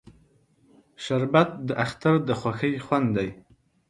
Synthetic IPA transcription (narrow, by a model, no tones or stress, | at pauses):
ʃɐɾbat̚d̪ɨʔaχtʰɨrd̪ɨχʷaxɐjχʷand̪aj